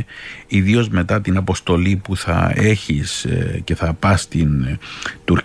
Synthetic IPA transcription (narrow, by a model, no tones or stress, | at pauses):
iðio̞zme̞t̪ɐt̪inɐpo̞st̪o̞lipuθɐ̰e̞çisce̞θɐpɐst̪int̪uɾ